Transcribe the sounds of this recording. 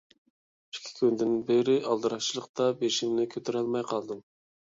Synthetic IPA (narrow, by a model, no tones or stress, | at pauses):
i̥kʲʰi̥kʲʰynd̪ɪnbeɾɪʔɑlˠd̪ɨɾɑt͡ʃʰilˠəq̚t̪ɑbeʃimnɪkʲʰøt̪ʰyɾɛlˠmɑjqʰɑlˠd̪ɨm